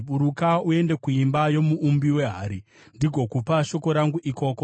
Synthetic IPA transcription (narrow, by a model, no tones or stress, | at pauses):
ɓuɾukaue̞nde̞kuimbajo̞muʔumbiwe̞ɦaːɾi | ndiɡʱo̞kupaʃo̞ko̞ɾaŋɡuʔiko̞ko